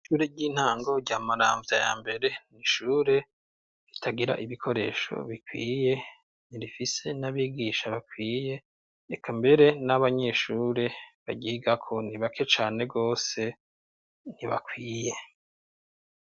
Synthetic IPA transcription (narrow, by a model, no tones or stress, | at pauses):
iʃuːɾeɟiːn̥haːŋɡo̞ɾɟaːmaɾa̰ːɱvjaja̰ːmbe̞ɾe̞niʃuːɾe̞ | ɾitʰaɡiɾa̰ʔiβikʰo̞ɾe̞ːʃo̞̰βikwḭːje̞ | niɾifise̞naβiːɡiʃaβakwiːje̞ː | kʰambe̞ɾe̞naβaɲe̞ʃuːɾe̞βaɟiːɡakʰoniβakʰe̞t͡ʃaːne̞ɡo̞ːse̞ | niβa̰kwiːje̞